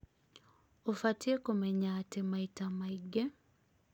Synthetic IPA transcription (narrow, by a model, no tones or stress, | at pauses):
ofatjekomeɲatemaitamaiɡːe